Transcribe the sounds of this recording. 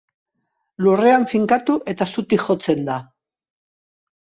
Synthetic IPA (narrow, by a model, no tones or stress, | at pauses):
lure̞aɱfiŋkat̪uʔe̞t̪asut̪iʝo̞t͡se̞nd̪a